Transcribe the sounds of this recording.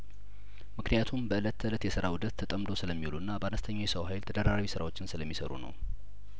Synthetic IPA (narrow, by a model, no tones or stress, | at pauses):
mɨknijat̪ʰumbəɨlət̪ʰːəɨlət̪jɛsɨɾawud̪ət̪ʰːət̪ʼəmd̪o̞sɨləmːiluɨnːabəanəst̪ʰəɲːajɛsəwɦajlt̪ʰəd̪əɾaɾawisɨɾa̰wot͡ʃːɪnsɨləmːisə̰ɾṵnə̰w